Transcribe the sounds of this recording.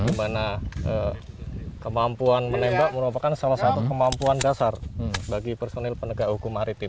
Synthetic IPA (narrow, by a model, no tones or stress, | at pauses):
ɡimanaʔə | kəmampuanmənembaʔməɾupakansalasat̪ukəmampuandasarbaɡipərsonɛlpənəɡaʔhukumaɾit̪ɪ